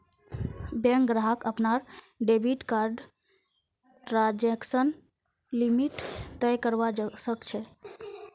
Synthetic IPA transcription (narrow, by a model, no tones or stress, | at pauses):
beŋkɡɾaɦəkəpnaɾ | ɖebʱiʈkaɾɖ | ʈɾãd͡ʒeksən | limiʈt̪əjkəɾbasəkt͡ʃʰɛ